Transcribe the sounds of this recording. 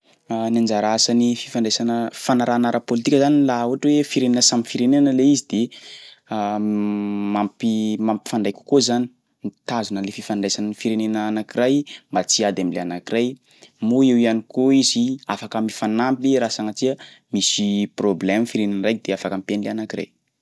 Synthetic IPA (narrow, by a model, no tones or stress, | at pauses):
nand͡ʒaɾasanifi̥faɳɖ͡ʐasanəfanaɾaːnaɾəpolit̪ikʲəzanilauɦaʈ͡ʂwefiɾenenəsamifiɾeneanəleizid̪̥e | mampimampi̥faɳɖ͡ʐajkʲu̥kozani̥ | mit̪azunəlefifaɳɖ͡ʐajsanənifiɾenenəːnakiɾajmbat͡siad̪amilḛanakiɾaj | muewianikoiziafakəmifanampiɾasaŋat͡sia | misiproblɛmfiɾenenrajk̚d̪eafakəmipenileanakira̰j